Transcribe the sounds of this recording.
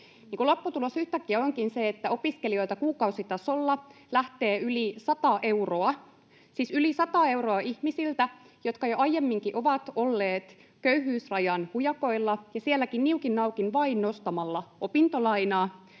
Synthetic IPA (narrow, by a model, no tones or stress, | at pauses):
niːŋkulo̞pːut̪ulosyht̪ækːiæoŋkinseet̪ːæo̞piskelio̞it̪ɑkuːkɑusit̪ɑsolːɑ | læht̪eːylisɑt̪ɑʔe̞uroɑ | sisylisɑt̪ɑːe̞uwro̞ɑʔihmisilt̪æ | jot̪kɑjoʔɑjjemːiŋkiʔo̞ʋɑt̪olːeːt̪ | køyhyːsrɑjɑnhujɑko̞ilːɑjɑsielːækinniukinːɑukinʋɑinnost̪ɑmɑlːɑopint̪olɑinɑː